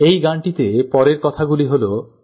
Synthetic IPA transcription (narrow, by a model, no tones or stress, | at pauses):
ejɡaɳʈit̪epɔɾeɾkɔt̪ʰaɡuliɦolo